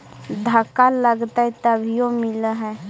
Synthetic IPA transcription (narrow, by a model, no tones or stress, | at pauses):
d̪ʱəkaləɡt̪aɦɛt̪əbʱijomɪlɦɛ̃